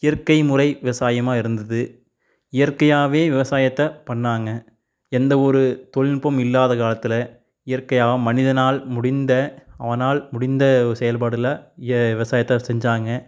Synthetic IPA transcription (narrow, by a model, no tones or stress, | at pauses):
ɪjɐrkɐɪmʊrɐɪʋɪʋɐsaːjɐmaːɪɾɯnd̪ɐðɯ | ɪjɐɾkɐjaːʋeːʋɪʋɐsaːjɐt̪ːɐpɐɳːaːŋɡɐ | ɛnd̪ɐɔɾɯt̪ɔɻɪnpɐmɪlːaːðɐkaːlɐt̪ːɪlɐ | ɪjɐɾkɐjaːʋɐmːɐnɪðɐnaːlmʊɽɪnd̪ɐɐʋɐnaːlmʊɽɪnd̪ɐsɛjɐlpaːɽɯlaɪɐʋɪʋɐsaːjɐt̪ːɐsɛɲd͡ʒaːŋɡɐ